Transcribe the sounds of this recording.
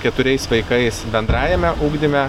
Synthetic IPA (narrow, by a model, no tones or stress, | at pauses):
kʲɛt̪ʊɾʲɛɪsʋɐɪkɐɪsbʲɛnd̪ɾɑːjɛmʲɛʔuːɡd̪ʲɪmʲɛ